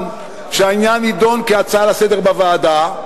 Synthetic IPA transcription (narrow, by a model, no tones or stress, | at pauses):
n | ʃeainjanhid̪o̞nkeat͡salasede̞ʁbavaːda